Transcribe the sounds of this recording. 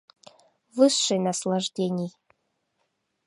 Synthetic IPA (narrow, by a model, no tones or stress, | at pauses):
vɨsʂɨjnaslˠaʐdʲenʲij